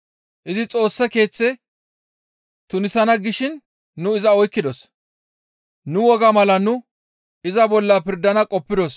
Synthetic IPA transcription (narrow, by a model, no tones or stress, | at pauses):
ʔɪzɪt͡sʼo̞ːsːɐke̞ːt͡sːɛ | t̪ʊnɪsɐnɐɡɪʃɪnː | ʊɪzɐɔjkːɪd̪ɔs | nʊwɔɡɐmɐlɐnʊ | ɪzɐbɔlːɐpɪɾd̪ɐnɐkʼɔpːɪd̪ɔs